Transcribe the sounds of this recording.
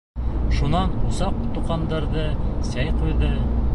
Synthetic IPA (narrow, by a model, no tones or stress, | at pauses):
ʃunɑnusɑqt̪uqɑnd̪ɑɾðɤsæjqujðɤ